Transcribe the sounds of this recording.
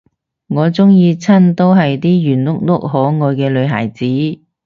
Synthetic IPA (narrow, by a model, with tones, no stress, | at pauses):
ŋɔː˨˧t͡sʊ˥ŋjiː˧t͡sʰɐ˥nt̪o˥wɦɐ˨jt̪iː˥jyː˨˩nlʊ˥k̚lʊ˥k̚ɦɔː˨˥ŋɔː˨˧jkɛː˧lɵ˨˧ɥɦa̰ː˨˩jt͡siː˨˥